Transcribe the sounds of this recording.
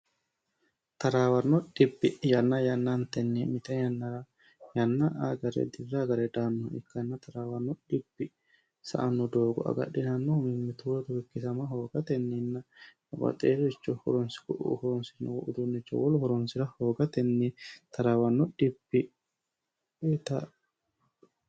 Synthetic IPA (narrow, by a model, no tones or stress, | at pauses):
t̪ɐɾaːwɐnːɔᶑɪbːɪjɐnːɐjɐnːant̪ɛnːimɪt̪ɛnː | jɐnːaʔaɡɐɾɛ̰d̪ɪrːaɡɐɾɛd̪aːnːɔɪkːɐnːɐt̪ɐɾaːwɐnːɔᶑɪbːɪ | sɐ̰ʔɐnːɔd̪oːɡɔ̰ɐ̰ɡɐ̰ɗːɪnɐnːɔhʊmɪmːɪt̪ʊt̪ʊwɪkːɪsɐmɐɦoːɡɐt̪ɛnːɪnːɐ | bɐ̰t̪ʼeːɾɔt͡ʃːɔhʊ̰ɾɔnsɪ̥kʊʔʊ̰hʊɾɔnsɪnːɔ̰wɔ̰ʔʊd̪ʊnːɛt͡ʃːɔ̰wɔlʊhʊɾɔnsɪɾɐhoːɡɐt̪ɛnːɛt̪ɐɾawɐnːɔᶑɪbːɪ | t̪ɐ